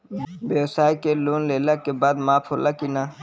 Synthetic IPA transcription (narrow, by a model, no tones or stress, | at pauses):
beːwsaːjkeluːnleːlakebaːd̪maːpʰolakina